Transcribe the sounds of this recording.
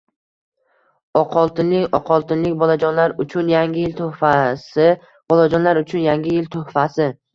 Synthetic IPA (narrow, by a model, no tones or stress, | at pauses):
ɒqʰɒlˠt̪ɪnɪŋɒqʰɒlˠt̪ʰɪnlɪk̚ʲbɒlad͡ʒɒnlaɾʊt͡ʃʰʊnjaŋʲɪjɪlt̪ʰʊfasɪ | b̥ɒlˠad͡ʒɒnlaɾʊt͡ʃʰʊnjaŋɡʲɪjɪlt̪ʰohfasɪ